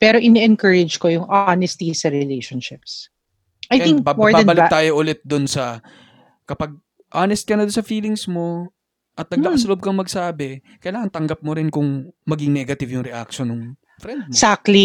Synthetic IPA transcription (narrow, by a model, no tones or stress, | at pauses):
pɛɾoʔɪnɛʔɛnkəɹɪd͡ʒkojʊŋʔanɛst̪isɐɾɛɪlejʃonʃɪps | ʔɐjɛĩŋkbabmoɹbaɐ̃nbɐlɪt̪aːjoʔʊlɛt̪̚d̪ʊnsɐ | kɐpɐɡ̚ | ʔaːnɛst̪̚kɐnɐd̪ʊnsɐfiːlɪŋsmo̞ | ʔɐt̪̚nɐɡ̚laʔɐslob̚kɐŋmɐɡsaːbɛ | kɐʔɪlaːŋɐnt̪ɐŋɡɐp̚moɾɪnkʊŋmɐɡɪŋnɛɡɐt̪ɪvjʊŋɾɛʔa̰k̚ʃonːʊŋ | fɾɛnd̪̚sak̚t̪li